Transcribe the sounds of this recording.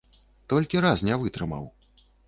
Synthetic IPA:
t̪ɔlʲkʲiɾasnʲavɨt̪ɾɨmɐ̰w

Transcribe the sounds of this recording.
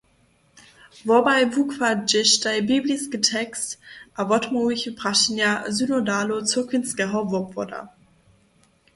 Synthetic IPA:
vobaɪvukfad͡ʒɪʃtaɪbibliskətʰɛkstʔavɔtʰmoiçəpʁ̥aʃinjazynodaːlot͡sukʰɪnsɡ̥ɛɦɔvopvɔda̰

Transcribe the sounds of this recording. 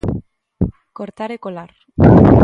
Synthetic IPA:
koɾt̪aɾekolaɾ

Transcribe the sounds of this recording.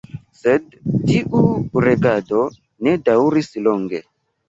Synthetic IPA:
sed̚ | tiʔuɾeɡado̞ | ne̞dawɾisloŋɡḛ

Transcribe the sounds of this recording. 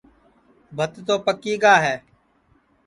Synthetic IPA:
bʱət̪t̪oːpəkiːɡaːɦɛː

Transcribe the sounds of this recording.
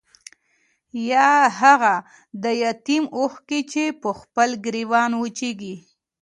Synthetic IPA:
jɑɦaɣa | d̪əjat̪imoxkit͡ʃepəxpəlɡɾiwɑnwət͡ʃeɡi

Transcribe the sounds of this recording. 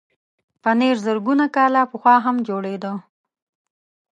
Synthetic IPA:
paneɾzəɾɡunakɑlapəxwɑɦamd͡ʒoɽed̪o

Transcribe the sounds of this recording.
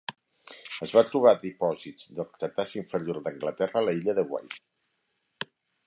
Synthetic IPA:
əzβat̪ɾuβ̞aðipɔzizd̪əlˠt̪ət̪asiɱfəɾijoɾd̪əŋɡlət̪ɛrəːləiʎəðəɣwa̰j

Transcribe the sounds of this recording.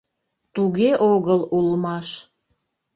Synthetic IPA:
t̪uɣeʔoɣəlulmɑʃ

